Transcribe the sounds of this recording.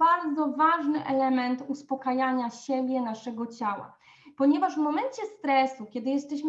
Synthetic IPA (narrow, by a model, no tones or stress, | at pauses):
aɾd̪zɔvaʐnɘʔɛ̰lɛmɛnt̪uspɔkajaɲaɕɛbʲjɛnaʂɛɡɔt͡ɕawa̰ | pɔɲɛvaʐvmɔmɛnt͡ɕɛst̪ɾɛsukʲɛd̪ɘjɛst̪ɛɕm